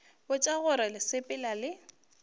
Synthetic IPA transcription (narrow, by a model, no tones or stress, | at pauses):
bʊt͡ʃʼaɣʊɾalɪsɪpʼɪlalɪ